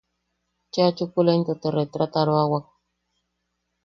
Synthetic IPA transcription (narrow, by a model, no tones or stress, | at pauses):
t͡ʃat͡ʃukulent̪ɔt̪ɔɾet̪ɾat̪aɾoawak̚